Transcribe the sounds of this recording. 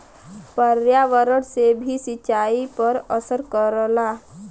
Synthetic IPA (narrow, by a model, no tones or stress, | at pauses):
pəɾjaʋəɾəɽsebʱisɪt͡ʃaːipəɾəsəɾkəɾəlaː